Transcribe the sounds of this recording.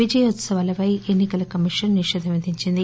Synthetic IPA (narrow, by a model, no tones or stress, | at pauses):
id͡ʒɐjɐɐt̪sɐʋaːlɐpɐjenːikɐlɐkɐmiʂɐnːiʂɛːd̪ʱɐʋɐd̪ʱiɲt͡ʃind̪i